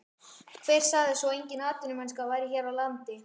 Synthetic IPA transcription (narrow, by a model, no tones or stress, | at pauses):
kʰvejr̥saːɣðɪsɔejɲcɪnaːt̪ʏnɪmɛnskavaːjɾɪçɛːɾawlant̪ɪ